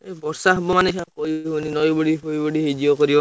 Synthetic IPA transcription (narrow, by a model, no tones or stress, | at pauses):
ebɔɾsaɦɔbɔmaneʃʰakɔiɦuninɔjbɔɽiɦojbɔɽiɦed͡ʒiɔkɔɾibɔ